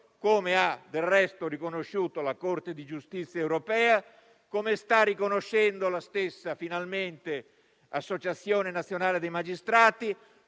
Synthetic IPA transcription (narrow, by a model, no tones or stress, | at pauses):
koːmead̪elrɛst̪oɾikonoʃːuːt̪olakort̪ed̪id͡ʒust̪it̪sːjaewɾopɛːa | komest̪arːikonoʃːɛnd̪olast̪esːafinalment̪e | asːot͡ʃat̪sːjɔːnenat̪sjonaːled̪ejmad͡ʒist̪ɾaːt̪i